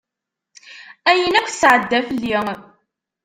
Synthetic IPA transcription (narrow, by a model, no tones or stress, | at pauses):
æjənækʷʰːθsʕəd̪ːæflːi